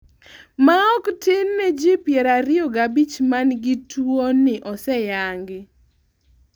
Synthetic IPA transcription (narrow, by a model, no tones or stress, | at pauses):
maɔktɪnːɛd͡ʒipjɛɾaɾɪɔɡabit͡ʃmanɡɪtwonɪʔɔsɛjaŋɡɪ